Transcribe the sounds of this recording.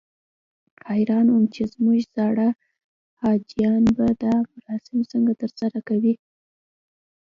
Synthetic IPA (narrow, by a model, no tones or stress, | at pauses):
tɑɾɑnumt͡ʃezmuʒz̥ɑɽa | hɑd͡ʒijɑnbad̪amʊɾɑsɪmsəŋɡat̪əɾsaɾakawi